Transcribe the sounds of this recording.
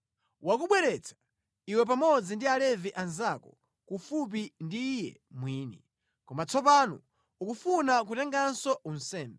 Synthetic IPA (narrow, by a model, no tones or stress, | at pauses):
wakuɓwɛɾɛt͡sʰḁ | iwɛp̬amɔd͡zindialɛviʔanzakɔ̰ | kufup̬indiːjɛ̰ | mwiːnḭ | kɔmat͡sɔpanṵ | ukufunak̬utɛŋɡansɔun̩sɛːmbɛ